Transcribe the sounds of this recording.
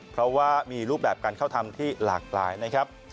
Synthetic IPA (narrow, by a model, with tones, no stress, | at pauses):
pʰɾɔ˦˥waː˥˩miː˧ɾuː˥˩p̚bɛː˨˩p̚kaː˧nkʰa˥˩wt̪ʰa˧mt̪ʰiː˥˩la̰ː˨˩k̚la̰ː˨˧jna˦˥kʰa˦˥p̚